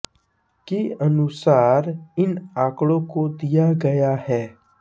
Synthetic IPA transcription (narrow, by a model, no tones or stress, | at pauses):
kiɐnʊsaːɾɪnaːkɽõkod̪ijaɡɐjahɛː